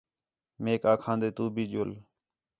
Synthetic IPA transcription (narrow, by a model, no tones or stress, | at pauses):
meːkaːkʰãːnd̪eːt̪uːbʱiːd͡ʒoːl